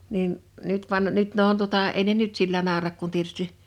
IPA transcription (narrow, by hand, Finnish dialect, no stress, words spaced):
niːn nyt ʋɑn nyt ne on tuŏtɑˑ ei ne nyt silːæ nɑˑorɑk kun tietysti